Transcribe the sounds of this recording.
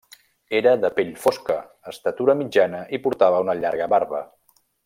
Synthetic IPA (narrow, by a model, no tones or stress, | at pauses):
eɾəðəpeʎfoskəː | st̪ət̪uɾəmid͡ʒanəʔipuɾt̪aβəunəʎaɾɣ̞əβaɾβə